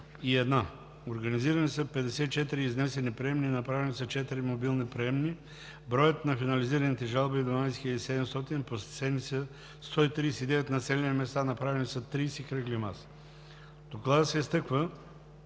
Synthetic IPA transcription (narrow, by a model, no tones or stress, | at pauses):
iɛd̪na | oɾɡɐniziɾɐnisəpɛd̪ɛsɛit͡ʃɛt̪iɾiːznɛsɛnipɾɛɛmninɐpɾavɛnisət͡ʃɛt̪iɾimobilˠnipɾɛɛmni | bɾɔjət̪nɐfinɐliziɾɐnit̪ɛʒalˠbid̪vɐnajsxiəd̪isɛd̪ɛmst̪ɔt̪inpossɛnisə | st̪ɔit̪ɾiːsɛid̪ɛvɛt̪nɐsɛlʲɛnimɛst̪anɐpɾavɛnisɐt̪ɾiːsikɾəklima̰s | d̪̥oklˠad̪əsɛist̪ɤkvə